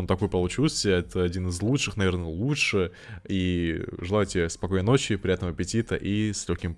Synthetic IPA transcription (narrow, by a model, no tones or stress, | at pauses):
ont̪ɐko̞jəpəlˠʊt͡ɕilˠsʲɛt̪əɐdʲinɨzlˠutʂɨxnɐvʲe̞rnəlˠutʂɨ | iʐɨlˠajʊtʲɪespɐkojnəno̞t͡ɕɪpɾʲɪjat̪nməɐpʲɪtʲit̪əʔislʲɵxʲkʲɪm